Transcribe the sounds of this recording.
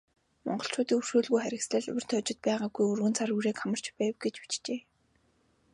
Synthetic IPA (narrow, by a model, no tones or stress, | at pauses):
mɔ̰ɴɢɞ̆ɬt͡ɕʊːt̪iːŋɵr̥ʃoːɮɣujχæɾʲɪ̆ksɮə̆ɮɵ̰wʲɪ̆r̥t̪ʰœt͡ɕɪ̆t̪̚pæːʁaːɡujɵrɣɵ̆nt͡sʰaruɾeːkʰamə̆r̥t͡ɕpæːwɡet͡ɕpi̥t͡ɕt͡ɕeː